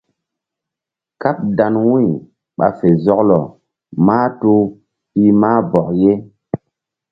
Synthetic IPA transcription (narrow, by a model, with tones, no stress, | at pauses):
ka˦p̚da˨nwũ˦j | ɓa̰˨fe˨zɔ˦klɔ˨ | maː˦tu˦ | pi˦maː˦bɔ˨kje˦